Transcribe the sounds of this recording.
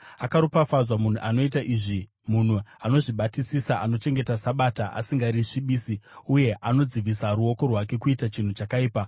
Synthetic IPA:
akaɾupafazamun̤uʔano̞itaʔiʐi | mun̤uano̞ʐiɓatisisaʔano̞t͡ʃe̞ŋɡe̞tasaɓaːtaʔa̰siŋɡaɾiʂiɓiːsiuje̞ʔano̞d͡ziʋisaɾuo̞ko̞rwake̞kuitat͡ʃin̤ut͡ʃakaiːpa

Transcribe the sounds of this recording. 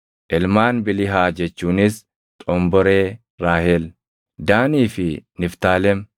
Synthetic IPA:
ʔɛlmaːnbɪlɪɦaːd͡ʒɛt͡ʃːuːnɪs | t̪ʼɔmbɔɾeː | ɾaːhɛl | d̪aːniːfɪnɪft̪aːlɛm

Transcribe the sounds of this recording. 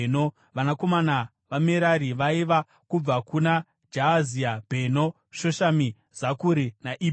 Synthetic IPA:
no | ʋanako̞mana | ʋameɾaɾiʋaiʋa | kub͡vakuna | d͡ʒaaziabʱeno | ʃo̞ʃami | z̥akuɾinaʔib

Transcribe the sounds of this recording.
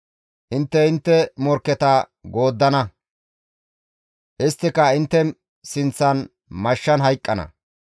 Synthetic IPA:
ʔɪnt̪ːɛɪnt̪ːɛmɔɾkːɛt̪ɐ | ɡo̞ːd̪ːɐnɐ | ʔɪst̪ːɪkɐɪnt̪ːɛ | sɪnt͡sːɐn | mɐʃːɐnɦɐjkʼːɐnɐ̰

